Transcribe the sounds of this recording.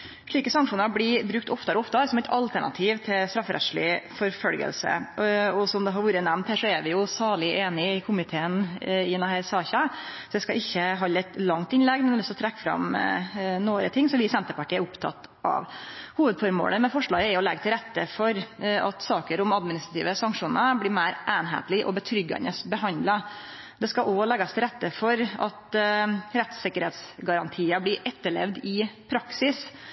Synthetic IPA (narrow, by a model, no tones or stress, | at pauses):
ʂɭiːkəsɑŋkʂuːnəɾblɪbɾʉk̚t̪ʰɔft̪əɾɔft̪əɾsɔmɛɪt̪ɑlt̪ʰæɳɑ̰t̪ʰiːʋt̪ʰɪlst̪ɾɑfːɾɛ̰ʂɭɪ̰fɔɾfœlɡə̰lsə̰ɔsɔmd̪ɛɦɑɾʋuːɾənæmnt̪hæːɾʂɔɛɾʋɪjʊsɑːɭɪʔeːnɪɪkʰʊmɪt̪ʰeːənɪnɑhæːɾsɑːçɑsɔd̪ɛskɑʔɪçːəɦɑlːɛt̪lɑŋt̪ɪnlɛɡmɛnɛɔsɔt̪ʰɾɛkːfɾɑ̰m | noːɾət̪ʰɪŋːsɔʋɪːsɛnt̪əpɑʈʰiːæɾʊpt̪ʰɑ̰t̪ː | ɑ̰ʋhuːʋəd̪fɔɾmo̰ːləmɛfɔʂɭɑːɡəɛɔlɛɡːət̪ʰɪlɾɛt̪ːəfɔɾɑt̪sɑːkəɾʊmɑd̪mɪnɪst̪ɾɑt̪ʰiːʋəsɑŋkʂuːnəbliːmæɪɾʔæːnɦḛːt̪lɪʔɔ̰bət̪ʰɾʏɡːɑ̰nəsbəɦɑnd̪lɑ | d̪ɛskɑʔɔlɛɡɑst̪ʰɪlɾɛt̪ːəfɔɾɑ̰t̪ | ɾɛt̪sɪkəɾheːt̪sɡɑɾɑnt̪ʰiːəbliːʔɛt̪ːəɭɛ̰ʋd̪ɪpʰɾɑksɪs